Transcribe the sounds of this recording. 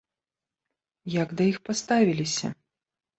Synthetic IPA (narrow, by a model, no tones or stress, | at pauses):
jaɡd̪ɐjixpast̪avʲilʲisʲɐ̰